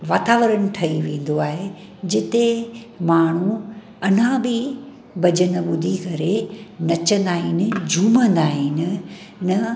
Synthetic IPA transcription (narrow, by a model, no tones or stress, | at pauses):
ʋaːt̪aːʋəɾənɪ̆ʈʰɐiʋẽːn̆d̪oaːɦe | d͡ʑɪt̪e | maːɳ̤u | ɐn̤ãbɪ | bɐd͡ʑʱənəɓʊd̪ʱikɐɾenɐt͡ɕə̃nd̪aːɦɪnɪ̆d͡ʑʱuːmə̃nd̪aːɦɪnɪ̆ | nɐ